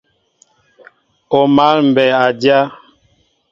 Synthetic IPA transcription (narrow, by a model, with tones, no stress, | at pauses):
o˨ma˨˦lm̩˨bɛ˨a˨dja˦